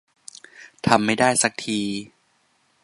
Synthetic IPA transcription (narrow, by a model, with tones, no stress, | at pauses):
t̪ʰa˧mːa˥˩jdaː˥˩jsa˦˥k̚t̪ʰiː˧